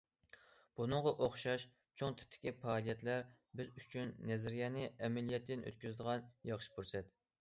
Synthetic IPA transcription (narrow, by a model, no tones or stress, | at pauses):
b̥unɨŋʁɑʔoχʃɑʃ | t͡ʃʰoŋt̪ʰɪ̥t̪ʰːɪ̥kʲipɑːlˠijɛt̪læɾ | bɪzyt͡ʃʰynːɛzɪɾijɛnɨɛmɛlijɛt̪ːɪnʔø̰t̪̚kʲyzɪd̪əʁɑnjɑχʃi̥buɾsɛt̪